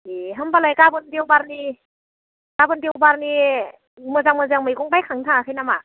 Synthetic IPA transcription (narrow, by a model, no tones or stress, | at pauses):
eɦɯmbalajkabɯndewbaɾni | kabɯndewbaɾni | mɯzaŋmɯzaŋmɯjɡɔŋbajkʰaŋtʰaŋakʰɯjnama